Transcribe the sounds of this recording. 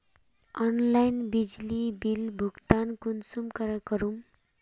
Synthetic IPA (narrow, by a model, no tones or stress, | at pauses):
ʌnlajnbid͡zlibilbʱuɡt̪ankunsumkʌɾakʌɾum